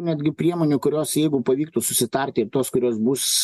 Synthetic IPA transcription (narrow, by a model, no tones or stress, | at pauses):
nʲɛd̪ʲɡʲɪpʲɾʲiɛmoːnʲʊkʊɾʲoːsjɛɪɡʊpɐʋʲiːk̚t̪uːsʊsʲɪt̪ɐɾʲt̪ʲɪɪrt̪oːskʊɾʲoːsbuːs